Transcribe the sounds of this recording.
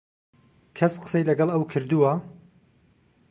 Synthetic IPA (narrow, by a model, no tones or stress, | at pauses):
kʰɐsqə̥sejlɐɡɐlˠɐwkʰɨɾd̪uwɐ